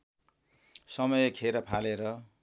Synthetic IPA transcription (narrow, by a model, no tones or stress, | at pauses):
sʌmʌjkʰeɾʌpʰaleɾʌ